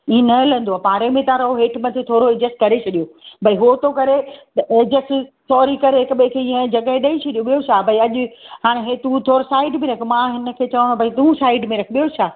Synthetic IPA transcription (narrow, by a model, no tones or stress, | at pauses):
iẽnɐlə̃nd̪oaːpaːɾemẽt̪ãɾɐɦoɦeːʈʰmɐt̪ʰit̪ʰoːɾoed͡ʑesʈkɐɾet͡ɕʰɐɗijobʱɐiɦot̪okɐɾet̪ɐekd͡ʑesʈsɔːɾikɐɾeɦɪkɓẽkʰeːĩːə̃d͡ʑɐɠəɦɪ̃ɗɐĩt͡ɕʰɐɗijõɓijot͡ʃʰaːbʱɐiɐʄʊ̆ɦaːɽ̃ẽɦet̪ũːt̪ʰoːɾsaːɪɖmẽɾɐkʰemãɦɪnə̆kʰeːt͡ɕɐʋə̃obʱɐit̪ũsaːɪɖmẽɾɐkʰɓijot͡ɕʰaː